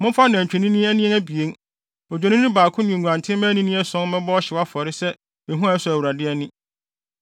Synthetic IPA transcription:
mʊ̃˦fa˦nɪ̃˨t͡ɕᶣʰɛ˨nĩ˦nĩ˦æ˦nĩ˦ɛ̃˦æ˦bi˨e˦n | ɔ˨d͡ʑᶣɛ˨nɪ̃˦nʊ̃˦baː˨kʰʊ̃˦nɪ̃˨ɲũ˨ã˨ntʰɪ̃˦mɛ̃˦nĩ˦nĩ˦ɛ˦sɔ̃˦n˦mɛ̃˦bɔ˦ɕɪ˨wa˦fɔ˨ɾɪ˦sɛ˦ | ɛ˨ɦũ˦a˨ɛ˦sʊ˨æ˨wu˨ɾa˨dɪ˦ɛ˦nɪ̃˦

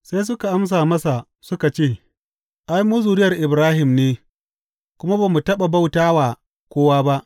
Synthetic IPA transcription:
sa˦js̬ʊ˦ka˨ʔa˦ms̬aː˨mɐ˦sa˨ | sʊ˦ka˨t͡ʃeː˦˨ | ʔa˦jmu˦zuː˨ɾɪ˦jɐ˨rʔɪ˨bɾaː˦ɦɪ˨mneː˦ | kʷʊ˦ma˦baː˨mu˨tɐ˦ɓa˨ba˦wtaː˦waː˨ | kʷoː˦waː˦ba˦ʔ

